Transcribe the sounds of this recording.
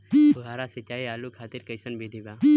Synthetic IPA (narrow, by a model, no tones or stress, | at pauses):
bɡaːɾaːsət͡ʃaːiːaːluːkʰaːt̪ɪɾkəɪsənbʱiːd̪ʱiːbaː